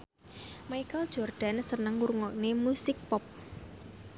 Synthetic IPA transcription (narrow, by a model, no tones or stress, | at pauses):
majkəld̥ʒ̥ɔrɖ̪̥a̤nsənəŋuɾuŋɔʔnemusɪk̚pɔp̚